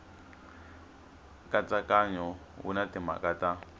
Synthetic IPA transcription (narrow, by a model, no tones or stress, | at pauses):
kʼat͡sakʼaɲɔwṵnatima̰kʼata